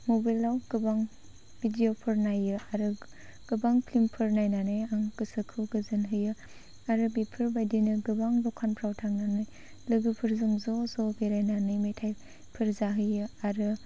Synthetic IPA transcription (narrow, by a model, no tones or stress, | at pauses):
mobajlawɡ̥ɯbaŋ | bidiopʰɯɾnajɯaɾɯ | ɡ̥ɯbaŋpʰlimpʰɯɾnajnanɯjaŋkɯsɯkʰɯɡɯzɯnɦɯjɯ | aɾɯbipʰɯɾbajdinɯɡɯbaŋbɔkʰanpʰɾawtʰaŋnanɯj | lɯɡɯpʰɯɾzɯŋzɔzɔbeɾajnanɯjmejtʰaj | pʰɯɾzaɦɯjɯaɾɯ